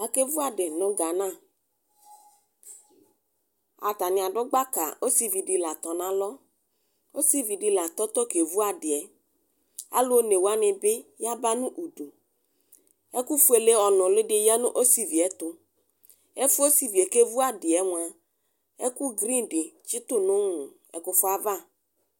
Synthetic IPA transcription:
a˨ke˦vu˦a˨dɪ˨nʊ̃˨ɡa˨nã˦˨ | a̰˨t̪a˨nɪ̃˨a˨ɖʊ˦ɡ͡ba˦ka̰˨o˦si˦vi˨dɪ˨la˨t̪ɔ˨nã˦lɔ˦ | o˦si˦vi˨dɪ˨la˨t̪ɔ˦t̪ɔ˦ke˨vu˦a˨dɪ˨ɛ˨ | a̰˦lʊ˦o˦ne˨wa˦nɪ̃˨bɪ˦ja˦ba˦nʊ̃˦ʔu˨du˨ | ɛ˦ku˦fu˦e˨le˦ɔ˨nʊ̃˨lɪ˦dɪ˨ja˦nʊ̰̃˦ʔo˦si˦vi˨ɛ˨t̪ʊ˨ | ɛ˦fʊ˦o˦si˨vi˨ɛ˨ke˦vu˦a˦dɪ˨ɛ˦ŋʊ̃˨a˨ | ɛ˦ku˦ɡɾĩ˦dɪ˨t͡ʃi˦t̪ʊ˦nʊ̃˦ŋʊ̃˨ | ɛ̰˨kʊ˦fʊ˦a˦va˦˨

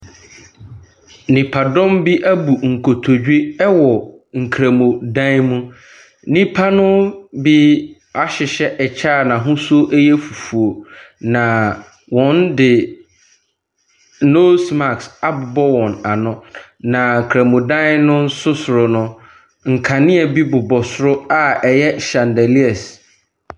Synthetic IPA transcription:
nĩ˨pʰa˨dɔ̃˦mbi˦ʔæ˦bu˨ŋ̩˨kʰo˨tʰo˨d͡ʑᶣi˦ɛ˦wɔ˨ | ŋ̩˨kʰɾa˨mõ˨dã˦mũ˦ | nĩ˦pʰa˦nʊ̃˦bi˦ | a˦ɕɪ˨ɕɛ˦ʔɛ˨t͡ɕʰaː˦˨nã˨ɦʊ̃˦so˦ʔɛ˦jɛ˦fu˨fu˨o˨nã˨ | wɔ̃˨˦n˦dɪ˨ | no˦sma˨ksa˦bʊ˨bɔ˦wɔ̃˨na˨nʊ̃˦ | nã˨ŋ˨kʰɾa˨mõ˨dã˦nʊ̃˦n̩˦sʊ˦sʊ˨ɾʊ˨nʊ̃˦ | ŋ̩˨kʰa˨nɪ̃˦ɛ˨bi˦bʊ˨bɔ˨sʊ˦ɾʊ˦a˦ɛ˨jɛ˦ɕã˨ndɛ˨li˦ɛ˨s

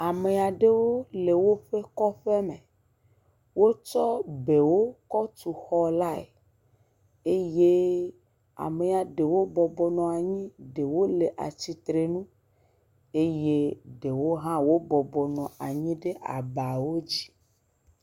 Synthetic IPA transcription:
a˨me˨a˨ɖe˦wo˦le˨wo˦ɸe˦kɔ˦ɸe˦me˨ | wo˦t͡ʃɔ˦be˨wo˦kɔ˦t̪u˨xɔ˦la˦ḛ˨ | e˦je˦ | a̰˨me˨a˨ɖe˨wo˦bɔ˨bɔ˨nɔ̃˨a˨ɲĩ˦ɖe˨wo˦le˨ʔa̰˨t͡ɕi˨t̪ɾe˨nũ˦ | e˦je˦ɖe˨wo˦ɦã˦wo˦bɔ˨bɔ˨nɔ̃˨a˨ɲĩ˦ɖe˦ʔa̰˨ba˨wo˦d͡ʑi˦

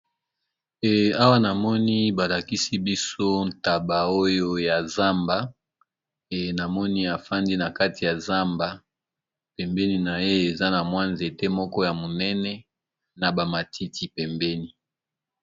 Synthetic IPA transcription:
ɛ˨a˦wa˦na˨mɔ˦ni˦ba˨la˨ki˦si˦bi˦so˦n̩˨ta˨ba˨o˦jo˦ja˨za˦mba˨ | e˨na˨mɔ˦ni˦a˨fa˦ndi˦na˨ka˦ti˨ja˨za˦mba˨ | pɛ˨mbɛ˦ni˨na˨je˦e˨za˦na˨mwa˦nze˨te˦mɔ˦kɔ˦ja˨mo˨nɛ˦nɛ˦ | na˨ba˨ma˨tʰi˦tʰi˨pɛ˨mbɛ˦ni˨

